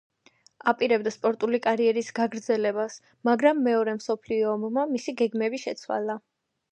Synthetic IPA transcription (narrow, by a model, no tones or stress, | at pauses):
apʼiɾɛbd̪aspʼɔɾt̪ʼulikʼaɾiɛɾisɡaɡɾd̪zɛlɛbas | maɡɾamːɛɔɾɛmsɔpʰliɔmmamisiɡɛɡmɛbiʃɛt̪sʰwa̰la